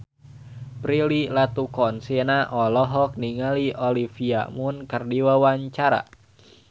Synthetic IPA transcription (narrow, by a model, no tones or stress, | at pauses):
pɾililat̪ukɔnsinaʔɔlɔɦɔk̚niŋaliʔɔlifia̰munkərdiwawaɲt͡ʃaɾa̰